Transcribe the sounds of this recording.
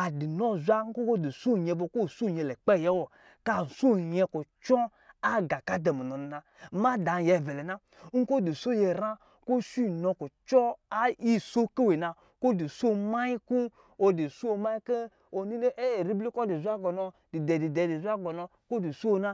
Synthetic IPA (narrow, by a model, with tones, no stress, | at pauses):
a˨di˨nɔ˦˨zʷa˦ŋ̩˦ko˦ko˦˨di˨so˦˨ɲɛ˧bo˧ko˦˨su˦˨ɲɛ˨lɛ˨k͡pɛ˦˨jɛ˦wɔ˨ | ka˦˨so˦˨ɲɛ˧ku˨t͡ʃɔ˦ | a˦ɡa˨ka˦dɛ˨mu˨nɔ˨ni˨na˧˦ | ma˦da˨jɛ˨vɛ˨lɛ˨na˦ | ŋ̩˦ko˦˨di˨so˦˨jɛ˧˨ɾa˦ | ko˦si˦˨nɔ˧ku˨t͡ʃɔ˦a˦i˦so˦ke˦we˨na˧ | ko˦˨di˨so˦˨ma˦ji˦ku˦ | o˧di˨su˦o˧ma˦i˦ke˦ | o˨ni˦e˦˨ɾi˦bli˦kɔ˦di˨zʷa˦ɡɔ˨nɔ˧di˨dɛ˨di˨dɛ˨di˨zʷa˦ɡɔ˨nɔ˧ | ko˦di˨su˦˧na˦